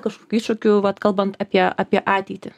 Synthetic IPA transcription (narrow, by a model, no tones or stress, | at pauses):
kɐʃkoːkʲuiːʃʊkʲʊʋɐt̪kɐlˠbɐnt̪ɑːpʲiɛɑːpʲiɛʔɑːt̪ʲɛɪt̪ʲɪ